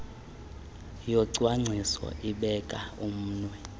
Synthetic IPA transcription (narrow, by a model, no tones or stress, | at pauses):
jɔǀwaŋ͡ǀʱisɔ̰ʔiɓɛkʼaum̩ːnwɛ